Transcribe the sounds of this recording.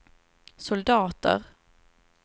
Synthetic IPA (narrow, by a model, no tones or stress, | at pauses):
sʊld̪ɑːt̪ə̰ɾ